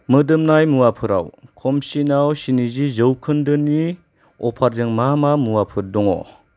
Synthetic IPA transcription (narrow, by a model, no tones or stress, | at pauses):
mɯdɯmnajmuwapʰɯɾa̰wkʰɔmsinawsinizizɯwkʰɯndɯni | ɔpʰaɾzɯŋmamamuwapʰɯɾdɔŋɔ̰